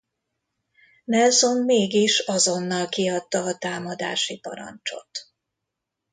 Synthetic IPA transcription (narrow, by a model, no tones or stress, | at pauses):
nɛlzomːeːɡiʃɒzo̞nːɒlkiɒt̪ːɒːt̪aːmɒd̪a̰ːʃipɒ̰ɾɒ̰nt͡ʃo̞̰t̪